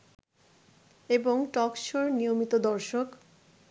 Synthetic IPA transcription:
eboŋʈɔkʃoɾnijomit̪od̪ɔɾʃok

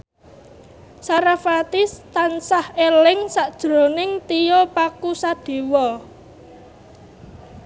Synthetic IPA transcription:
saɾafat̪ist̪ansahelɪŋsaʔd̥ʒ̥ɾo̤nɪŋt̪ijopakusad̥e̤wɔ

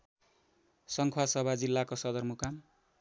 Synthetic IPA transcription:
sʌŋkʰwasʌbʱad͡zilːakosʌd̪ʌrmukam

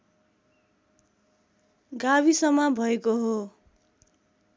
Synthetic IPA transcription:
ɡaβisʌmʌbʱʌekoɦo

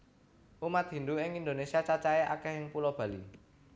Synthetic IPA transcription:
ʔumat̪̚ɦind̪uɪŋind̪onesiat͡ʃat͡ʃaɛʔa̰kɛhɪŋpulob̥ä̤lḭ

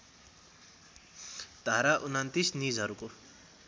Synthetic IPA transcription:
d̪ʱaɾaʔunant̪isnid͡zɦʌɾuko

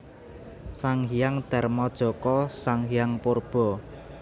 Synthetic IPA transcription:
saŋhijaŋd̪̥a̤rmɔd̥ʒ̥ɔ̤kɔsaŋɦijaŋporb̥ɔ̤

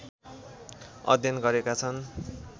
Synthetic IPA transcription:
ʌ̰d̪ʱjʌnɡʌɾekat͡sʰʌn

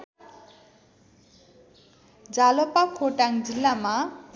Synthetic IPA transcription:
d͡zalopakʰoʈaŋd͡zilːama

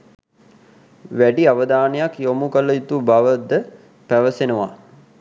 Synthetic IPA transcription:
ʋæɖiaʋəd̪aːnəjakjomukələit̪ubaʋəd̪ə | pæʋəsenəʋa̰

